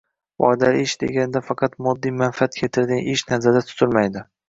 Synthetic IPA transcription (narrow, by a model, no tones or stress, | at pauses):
wɒ̰d̪aɾɪʃd̪e̞̰ɡʲanɪd̪afɑqʰɑt̪mɒd̪ːijmanfɪat̪̚kʰʲet̪ʰɪɾɡ̪ʲanʔɪʃnaɾzad̪at̪ʰʊ̥t̪ʰɪlmajd̪ɪ